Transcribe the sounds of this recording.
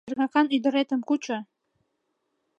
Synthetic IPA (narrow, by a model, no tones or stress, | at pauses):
ərɣɑkɑnyd̪ə̆ɾet̪əmkut͡ɕo